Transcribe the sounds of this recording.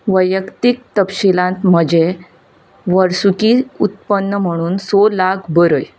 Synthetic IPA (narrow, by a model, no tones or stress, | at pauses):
ʋəjəkt̪ik̚t̪əpɕilãnt̪m̤əd͡ʑe | ʋəɾsukiːut̪̚pənːəm̤əɽ̃uːnsolakʰbəɾəj